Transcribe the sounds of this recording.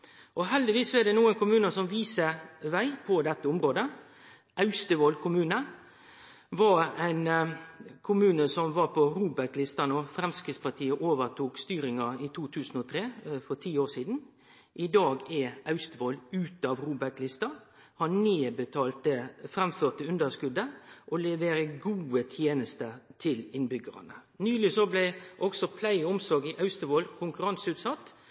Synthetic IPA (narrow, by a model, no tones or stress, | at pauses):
ʔɔɦɛld̪ɪʋiːsːɔɛd̪ɛnuːənkʊmʉːnəsɔmʋiːsəʋæɪpʰɔd̪ɛt̪ːəʊmɾoːd̪ə | ʔɑʉst̪əʋoːlkʰʊmʉːnə | ʋɑɾæɪn | kʰʊmʉːnəsɔmʋɑɾpʰɔɾuːbɛklɪst̪ɑnɔːfɾɛmskɾɪːd̪spɑt̪ʰiːəʔoːʋəɾt̪ʰuːkst̪yːɾɪŋɑɪt̪ʰuːt̪ʰʉːsn̩ɔt̪ʰɾeːfɔɾt̪ʰiːoːsiːd̪n̩ | ʔɪd̪ɑːɡɛʔɑʉst̪əboːlʉːt̪ɑʋʁuːbæklɪst̪ɑ | hɑneːbət̪ʰɑːlt̪əfʁɛmføːt̪əʉnd̪əʁskʉd̪əʔɔlɛʋeːɾəɡuːət̪ʰjeːnəst̪ət̪ʰɪlɪnbʏɡəʁɑ̰nə̰nyːlɪsɔblæɪʔɔksɔpʰlæɪʊmsɔɾɡɪʔɑʉst̪əʋoːlkʰʊŋkʉɾɑnsʉːt̪sɑt̪ː